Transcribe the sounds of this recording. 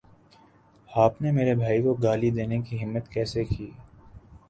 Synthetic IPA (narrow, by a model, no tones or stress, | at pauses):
aːpnemeːɾebʱaːikoɡaːlid̪eːnekiɦɪmːət̪kɛːsekiː